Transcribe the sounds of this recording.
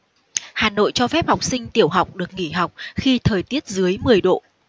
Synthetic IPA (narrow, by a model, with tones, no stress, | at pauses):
haː˨˩no̰˧˨jt͡ɕɔ˧fɛ˦˥p̚ha˨˩wk͡p̚sï˧ŋ̟t̪i˧˩əwɦa˨˩wk͡p̚ɗɨ˨˩ək̚ŋi˧˩ɦa˨˩wk͡p̚xi˧t̪ʰəː˨˩jt̪i˦˥ət̚zɨ˨˦əjmɨ˨˩əjɗo̰˧˨